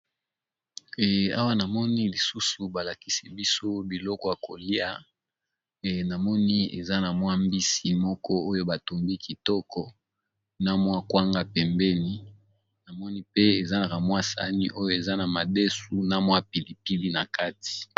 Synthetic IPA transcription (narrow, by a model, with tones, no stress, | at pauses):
a̰˦wa˦na˨mɔ˦ni˦li˨su˦su˨ba˨la˨ki˦si˦bi˦so˦bi˨lɔ˦kɔ˦˨ja˨ko˨li˦a˨ | ɛ˨na˨mɔ˦ni˦ḛ˨za˦na˨mwa˦mbi˦si˨mɔ˦kɔ˦o˦jo˦ba˨to˨mbi˦kʰi˨tɔ˦kʰɔ˦ | na˦mwa˦kwa˦ŋɡa˦pɛ˨mbɛ˦ni˦ | na˨mɔ˦ni˦pe˦e˨za˦na˨ka˨mwa˦sa̰˨ni˦ʔo˦jo˦e˨za˦na˨ma˨de˦su˨na˦mwa˦pi˨li˨pi˦li˦na˨ka˦ti̥˨